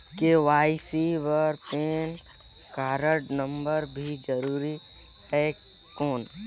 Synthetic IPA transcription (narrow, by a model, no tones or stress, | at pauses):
keʋaːisibəɾpeːn | kaːɾəʈnə̃mbəɾbʱid͡ʒəɾuːɾi | hɛkː | oːn